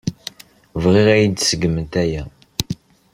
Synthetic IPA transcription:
vʁiʁæjid̪səɡmənt̪æjæ

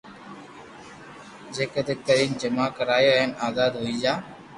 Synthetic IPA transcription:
d͡ʒeːked̪ɪk̚t̪əɾiːnd͡ʒəmaːkəɾaːjoːɦɪnaːzaːd̪ɦoːiːd͡ʒaː

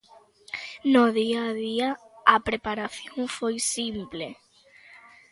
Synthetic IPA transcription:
noðiaðia | apɾepaɾaθjoŋfojsimple

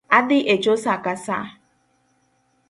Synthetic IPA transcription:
adɪʔet͡ʃosakasa

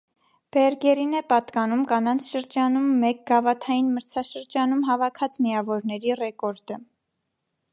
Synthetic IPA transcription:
b̥ɛɾɡɛɾinɛpɑt̪kɑnumkɑnɑnt͡sʰʃəɾd͡ʒɑnumːɛk̚ɡɑvɑt̪ʰɑjinməɾt͡sʰɑʃəɾd͡ʒɑnumɦɑvɑkʰɑt͡smijɑvɔɾnɛɾirɛkɔɾd̪ə

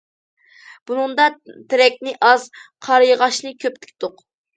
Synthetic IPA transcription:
b̥unɨŋd̪ɑt̪ʰɪɾɛkʲnɪʔɑzqʰɑɾjəʁɑʃnɨkʲʰøpt̪ɪ̥kʲd̪oq

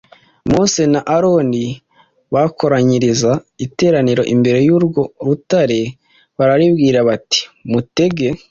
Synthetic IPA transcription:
mose̞naʔaɾo̞ːndi | βakʰo̞ɾaɲiɾizaite̞ːɾaniɾo̞ʔimbe̞ɾe̞juːɾɡo̞ɾutaɾe̞ | βaɾaɾibɡiːɾaβati̥mute̞ɡe̞

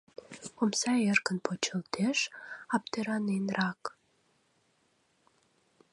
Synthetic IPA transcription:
omsɑerkənpʰot͡ɕə̆lt̪eʃɑp̚t̪eɾɑnenrɑk

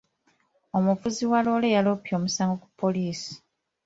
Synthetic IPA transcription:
omuvuziwalo̞ːlejalopjo̞ːmusaːŋɡo̞ku̥pʰːo̞liːsi̥

